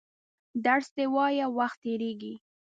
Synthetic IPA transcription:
d̪aɽsd̪ewɑjawaxt̪ːeɾeɡi

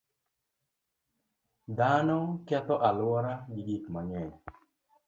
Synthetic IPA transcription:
d̪anɔkɛt̪ɔʔalʊwɔɾaɡiɡikmaŋɛ

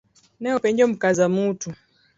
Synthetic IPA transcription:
nɛɔpɛɲd͡ʒɔm̩kazamutu

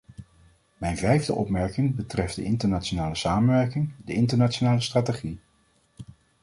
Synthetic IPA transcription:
mɛjnvɛjvdə̰ʔɔ̰pmɛɹkɪŋbətrɛfdə̰ʔɪntəɹnaːt͡ʃonaːləsaːmənʋɛɹkɪŋdəɪntəɹnat͡ʃonaːləstraːteχi

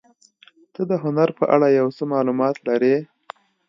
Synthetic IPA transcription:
t̪əd̪əɦʊnaɾpəʔaɽajawsəmɑlumɑt̪laɾe

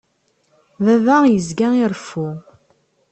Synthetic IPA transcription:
ðævajəzɡæiɾˤfu

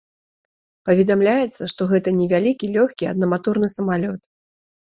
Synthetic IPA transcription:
pɐvʲɛd̪amlʲajɛt̪sːɐʂt̪ɔɣɛt̪ɐnʲɛvʲalʲikʲilʲɔxkʲiɐ̰d̪nɐmat̪urnɨsɐmalʲɔt̪

